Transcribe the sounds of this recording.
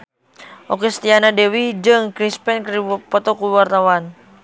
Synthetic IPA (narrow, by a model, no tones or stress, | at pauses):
ʔɔkɛst̪ianadɛwid͡ʒɨŋkɾispɛnkpɔt̪ɔkuwart̪awan